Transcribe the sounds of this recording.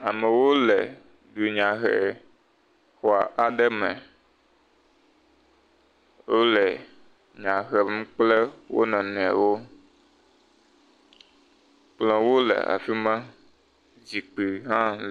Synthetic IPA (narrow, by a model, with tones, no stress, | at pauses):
a˨mɛ̃˨wo˦lɛ˨ | ɖu˨ɲã˨ɦɛ̰˨ | xɔ˨a̰˨ʔa˨ɖɛ˦mɛ̰̃˨ | wo˦lɛ˨ | ɲã˨ɦɛ˨m̩˦k͡plɛ˦wo̰˦nɔ̃˨nũ˨ɛ̰˨wo˦ | k͡plɔ̃˨wo˦lɛ̰˨a̰˨fi˦mɛ̃˦ | d͡ʑi˨k͡pi˨ɦã˦